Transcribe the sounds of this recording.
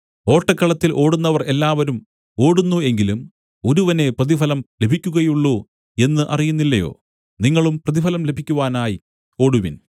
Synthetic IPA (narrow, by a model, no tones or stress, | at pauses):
o̞ːʈːɐkːɐɭɐt̪ːilʔo̞ːɽunːɐʋɐre̞lːaːʋɐɾum | o̞ːɽunːue̞ŋɡilum | oɾuʋɐne̞prɐðifɐlɐmle̞bʱikʲːuɣɐjuɭːu | e̞nːɨʔɐ̰rijunːilːɐjo̞̰ː | niŋːɐɭumprɐðifɐlɐmle̞bʱikʲːuʋaːnaːji | o̞ːɽuʋin